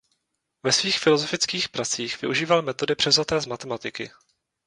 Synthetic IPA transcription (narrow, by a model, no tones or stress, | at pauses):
vɛsviːxfɪlo̞zo̞fɪt͡skiːxpɾat͡siːxvɪ̰ʔuʒiːvalmɛt̪o̞dɪpr̥ɛvzat̪ɛːzmat̪ɛmat̪ɪkɪ̰